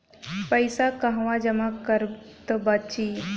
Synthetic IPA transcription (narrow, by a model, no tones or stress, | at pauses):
pəjsakaɦʋãd͡ʒəmakəɾt̪əbat͡ʃiː